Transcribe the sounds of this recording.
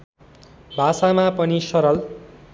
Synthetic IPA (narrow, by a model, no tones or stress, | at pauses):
bʱasamapʌnisʌɾʌl